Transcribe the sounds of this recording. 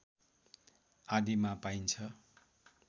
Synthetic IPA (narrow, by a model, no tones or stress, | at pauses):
ad̪imapaint͡sʰʌ